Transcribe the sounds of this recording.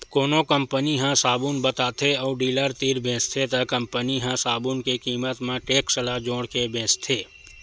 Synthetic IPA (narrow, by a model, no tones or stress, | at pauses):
koːnokəmpəniɦãsaːbunbət̪aːt̪ʰeɔːɖiːləɾt̪iːɾbʱẽːst̪ʰet̪əkə̃mpəniɦãsaːbunkekiːmət̪mẽʈeːksəlad͡ʒõːɽkebʱẽːst̪ʰeː